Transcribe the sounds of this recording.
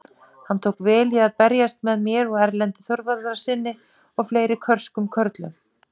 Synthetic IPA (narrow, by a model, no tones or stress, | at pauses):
hant̪ʰoːwkvɛːliaðpɛɾjast̪mɛðmjɛɾɔɣɛɾlɛnt̪ɪ̥θɔɾvaɾðaɾ̥sɪnːɪ | ɔɣfleːjɾɪkʰœr̥skʏmkʰœɾt̪lʏm